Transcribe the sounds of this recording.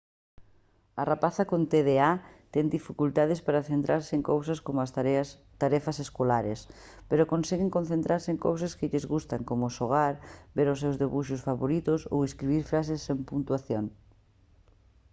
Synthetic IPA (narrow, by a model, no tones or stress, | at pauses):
ɐrapaθakont̪eðeat̪ɛŋd̪ifikult̪aðɪspaɾaθent̪ɾaɾsɪeŋkowsaskomʊa | t̪aɾɛfaseskolaɾes | peɾokonsɛɣeŋkon̟θẽnt̪ɾaɾseŋko̰wsaskɪʎɪzɣust̪aŋkomʊsoɣ̞aɾbeɾʊs̬ewzðeβuʃʊsfaβoɾit̪ʊso̰weskɾiβiɾfɾasesːempunt̪waθjoŋ